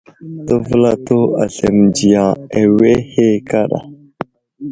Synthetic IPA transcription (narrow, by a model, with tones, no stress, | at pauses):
tə˦və˦la˦to˦a̰˨ɬe˨md͡ʒi˨ja˨e˨we˦he˦ka˦ɗa̰˨